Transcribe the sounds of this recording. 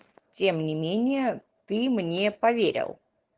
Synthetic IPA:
tʲe̞mnʲɪmʲenʲɪjət̪ɨmnʲepɐvʲeɾʲɪ̰lˠ

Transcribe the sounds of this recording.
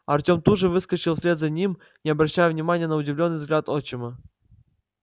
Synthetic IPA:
ɐrtʲomt̪uʐɨvɨskət͡ɕɪlˠsʲlʲet̪zanʲim | nʲɪɐbɾɐɕːajɛvnʲɪmanʲɪjənəʊdʲɪvlʲonːɨjvzɡlʲat̪ot͡ɕɪmə

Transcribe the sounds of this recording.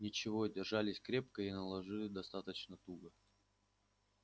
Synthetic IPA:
nʲɪt͡ɕɪvodʲɪrʐalʲɪsʲkɾʲep̚kəinəlˠɐʐɨlʲɪd̪ɐst̪at̪ət͡ɕnət̪uɡə

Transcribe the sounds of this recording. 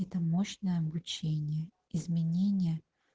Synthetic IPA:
ɛt̪əmoɕnəjəɐbʊt͡ɕenʲɪjə | ɪzmʲɪnʲenʲɪjə

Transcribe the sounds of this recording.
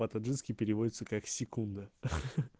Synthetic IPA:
at̪ɐʐɨnskʲɪpʲɪɾʲɪvodʲɪt̪səkaksʲɪkund̪ə

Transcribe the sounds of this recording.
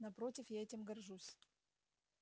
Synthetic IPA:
nɐpɾotʲɪfjaɛtʲɪmɡɐrʐusʲ

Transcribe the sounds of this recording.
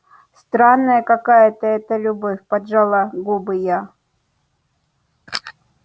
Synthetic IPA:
st̪ɾanːəjəkɐkajət̪əɛt̪əlʲʊbofʲpɐdʐalˠaɡubɨja

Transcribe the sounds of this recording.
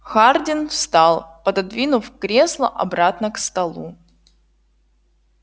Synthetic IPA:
xardʲɪnfst̪alˠpəd̪ɐd̪vʲinʊfkɾʲe̞slˠəʔɐ̰bɾat̪nəkst̪ɐlˠu

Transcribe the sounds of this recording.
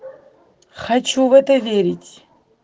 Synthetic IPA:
χat͡ʃʰuvɛt̪ɐvʲeɾʲitʲ

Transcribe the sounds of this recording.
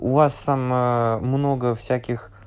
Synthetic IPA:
ʊvast̪ammno̞ɡəfsʲækʲɪx

